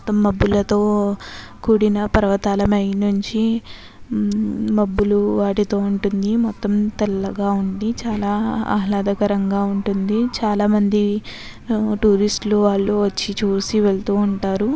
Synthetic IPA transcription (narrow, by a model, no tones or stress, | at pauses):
mt̪ːɐmːɐbːulɐt̪o̞ː | kuːɽinɐpɐɾɐʋɐt̪aːlɐmɐjnuɲt͡ʃi | mɐbːuluʋaːʈit̪o̞ːuɳʈund̪imɔt̪ːɐmt̪ɛlːɐɡaːuɳɖit͡ʃaːlaːa̰ːɦlaːd̪ɐkɐɾɐŋɡaːuɳʈund̪it͡ʃaːlaːmɐnd̪i | ʈuːɾisʈluʋaːɭːuʋɐt͡ʃːit͡ʃuːsiʋɛɭt̪uːuɳʈaːɾu